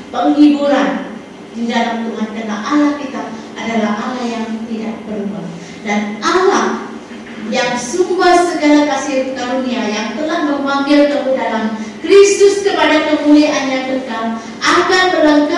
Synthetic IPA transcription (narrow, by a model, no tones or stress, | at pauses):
pəŋɦibuɾan | didalamt̪umankana̰ʔalahkit̪aʔadalahʔalahjaŋt̪idaʔpərua̰ | danʔalah | jaŋsumbahsəɡalakasɪrkaɾuniajaŋt̪əlahməmbaŋɡɪlk̪əludalamkɾist̪ʊskəpadakəmuliaʔaɲakənkam | ʔakat̪əlaŋka